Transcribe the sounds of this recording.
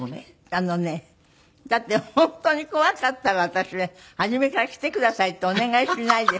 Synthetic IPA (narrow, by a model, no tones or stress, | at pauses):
ano̞ne̞ | d̪̥at̪ːe̞hhõ̞nt̪o̞ɲ̟iko̞akat̪ːaɾaβat̪aɕine | haʑime̞kaɾakʲi̥t̪e̞kɯ̟d̪asait̪ːeone̞ɡaiɕinaid̪e